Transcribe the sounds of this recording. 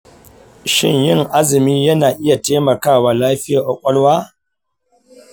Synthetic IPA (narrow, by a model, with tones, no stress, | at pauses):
ʃɪ̰˦˨ɲjɪ˦˨ŋʔa˦zɪ˨miː˦jɐ˦naː˨ʔɪ˦ja˨teː˦mɐ˨kaː˦˨waː˨laː˦ɸɪ˦jaː˨ʔa˨kʷʼɐ˦lwaː˦